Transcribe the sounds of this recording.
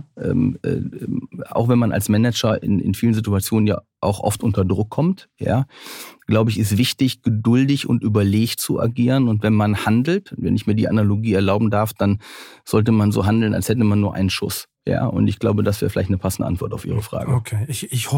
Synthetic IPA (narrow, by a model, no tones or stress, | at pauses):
ʔɛ̰ːmʔɛ̰ːɛmʔa̰ʊxv̥ɛnmana̰lsmɛnɛd͡ʒɐɪ̰nɪ̰nfiːlənzɪtuat͡sjoːnənja̰ː | ʔa̰ʊxʔɔ̰ftʔʊntɐdʁʊkʰːɔmtja̰ːɡ̥laʊbəɪçɪstv̥ɪçtɪçɡ̥ədʊldɪçʊ̰ntʔyːbɐleːçtt͡suʔa̰ɡiːʁənʊntvɛnmanhandl̩tvɛ̰nɪçmiːɐdḭːʔanaloɡiːɛɐlaʊbm̩daɐfd̥anz̥ɔltəmanzo̰ːɦandl̩na̰lshɛtəmanːuːɐʔa̰ɪnənʃʊ̰s | ja̰ːʔʊ̰ntɪçɡ̥laʊbədas̬v̥ɛːʁfɪlaɪçtnəpʰasn̩də̰ʔa̰ntv̥ɔɐtaʊfʔiːʁ̞əfʁ̥a̰ːɡəokʰeːɪç